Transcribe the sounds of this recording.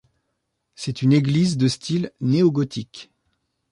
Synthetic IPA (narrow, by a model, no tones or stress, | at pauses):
sɛt̪yneɡlizd̪əst̪ʰilneoɡɔt̪ʰik